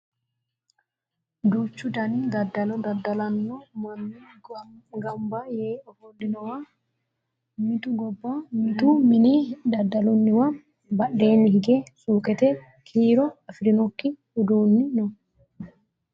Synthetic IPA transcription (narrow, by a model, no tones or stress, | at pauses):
d̪uːt͡ʃːʊd̪ɐnid̪ɐd̪ːɐlɔd̪ɐd̪ːɐlɐnːɔmɐnːi | ɡɐmbajeːʔɔhɔnd̪ɪnɔwa | mɪt̪ʊɡɔbːamɪt̪umɪnid̪ɐd̪ːɐlʊnːɪwɐ | bɐɗːeːnːɪhɪɡɛsuːkɛt̪ɛ | kʰiːɾɔɐfɪɾɪnɔkːɪ | ʊd̪uːnːɪnɔ